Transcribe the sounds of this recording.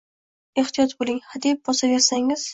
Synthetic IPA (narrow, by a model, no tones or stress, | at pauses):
e̞ht̪ʰijɒt̪bolˠɪŋhad̪ip̚bɒsabe̞ɾsaŋɪz̥